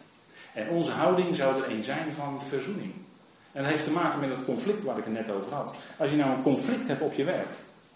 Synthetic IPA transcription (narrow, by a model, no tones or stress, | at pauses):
ɛnɔnzəɦawdɪŋzawətərejnzɛjnvɑnfərzunɪŋ | ɛndətɦejftəmaːkənmɛtdətkɔnflɪk̚tʋaːɾɪkənɛtowvərɦɑtɑsjənawənkɔnflɪk̚tɦɛptɔpjəʋɛɹk